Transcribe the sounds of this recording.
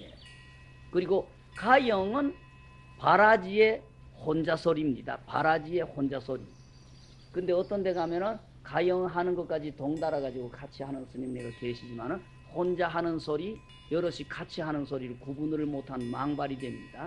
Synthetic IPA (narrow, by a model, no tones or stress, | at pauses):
jḛ | kɯɾiɡo | kajʌŋɯn | paɾad͡ʑie̞ | hond͡ʑasʰoɾimɲida̰pa̰ɾad͡ʑie̞hond͡ʑasʰoɾḭ | kɯnde̞ʌt͈ʌnde̞ɡamjʌnɯn | kajʌŋɯɦanɯnɡʌt̚k͈ad͡ʑitoŋdaɾaɡad͡ʑiɡokat͡ɕʰiɦanɯnsʰɯɲimneɡakwe̞ɕʰid͡ʑimanɯn | hond͡ʑaɦanɯnsʰoɾi | jʌɾʌɕ͈ʰikat͡ɕʰiɦanɯnsʰoɾiɾɯkubunɯɾɯɭmotʰanmaŋbaɾidwe̞mɲida